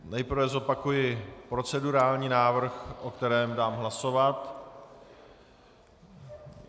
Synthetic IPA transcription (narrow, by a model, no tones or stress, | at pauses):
nɛjpr̩vɛzo̞pakujɪpɾo̞t͡sɛduɾaːlɲiːnaːvr̩xʔo̞kt̪ɛɾɛːmdaːmɦlaso̞vat̪